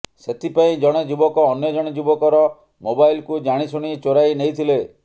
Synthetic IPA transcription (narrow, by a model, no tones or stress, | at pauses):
set̪ʰipaĩd͡ʒɔɽ̃ed͡ʒubɔkɔːnjɔd͡ʒɔɽ̃ed͡ʒubɔkɔɾɔ | mobajlkud͡ʒaɽ̃isuɽ̃it͡ʃoɾajnejt̪ʰile